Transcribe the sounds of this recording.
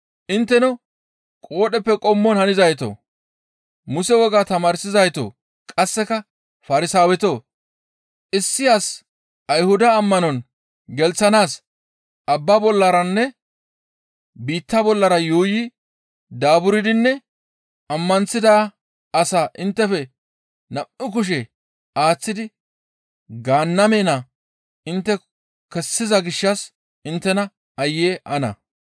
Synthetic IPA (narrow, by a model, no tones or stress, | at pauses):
ʔɪnt̪ːɛnɔ | kʼo̞ːɗɛpːɛkʼɔmːɔnhɐnɪzɐjt̪o̰ː | mʊsɛwɔɡaːt̪ɐmaːɾsɪzɐjt̪o̰ː | kʼɐsːɛkɐ | fɐɾɪsaːwɛt̪oː | ʔɪsːɪjaːs | ɐjhʊd̪ɐːmːɐnɔn | ɡɛlt͡sːɐnaːs | ʔɐbːɐbɔlːɐɾɐnːɛ | biːt̪ːɐbɔlːɐɾɐjoːjɪ | d̪aːbʊɾɪd̪ɪnːɛ | ɐmːɐnt͡sːɪd̪a | ɐsaːʔɪnt̪ːɛfɛ | nɐʔɪk̬ʊʃ̬ɛ | aːt͡sːɪd̪ɪ | ɡaːnːɐmeːnɐ | ɪnt̪ːɛ | kɛsːɪzɐɡɪʃːɐs | ɪnt̪ːɛnɐ | ɐjːeːʔɐnɐ̰